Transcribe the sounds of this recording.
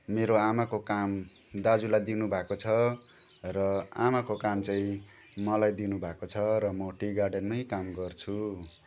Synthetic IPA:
meɾoamakokam | d̪ad͡zulajd̪inubʱakot͡sʰʌ | rʌamakokamt͡saĩ | mʌlajd̪inubʱakot͡sʰʌɾʌmʌʈiɡarɖʌnmʌjkamɡʌrt͡sʰu

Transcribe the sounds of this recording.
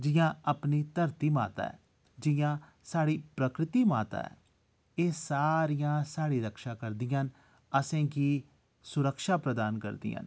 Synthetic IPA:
d͡ʒɪjãːəpniːt̪əɾt̪iːma̰ːt̪a̰ːɛ̰ː | d͡ʒɪjãː | saːɽiːpɾəkɾɪt̪iːmaːt̪a̰ːɛ̰ː | eːsaːɾijãːsaːɽiːɾəkʃaːkəɾd̪ɪjãːn | əsẽːkiː | sʊɾəkʃaːpɾəd̪aːnkə̰ɾd̪ḭːa̰ːn

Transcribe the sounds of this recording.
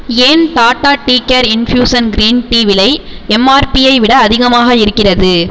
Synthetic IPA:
eːnt̪aːʈːaːʈːiːkːɐɾɪnfjuːsɐnɡɾiːnʈiːʋɪlɐɪɛmːaːɾpijɐɪʋɪɽɐːðɪɣɐmaːɣɐɪɾɯkːɪrɐðɯ

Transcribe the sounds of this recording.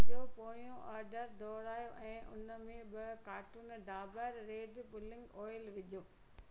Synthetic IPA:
opoːɽ̃ijõʔaːɾɖəɾd̪ʱoːɾaːjoʔɛ̃ːʔʊnəmẽbɪkaːʈuːnɖʱaːbəɾːeːɖbʊlɪ̃ŋɡoːɪlʋɪd͡ʑoː

